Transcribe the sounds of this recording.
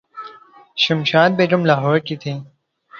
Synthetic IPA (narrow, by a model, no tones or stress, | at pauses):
ɕɐmɕaːd̪̚beːʈumlaːɦɔːɾkit̪ʰĩː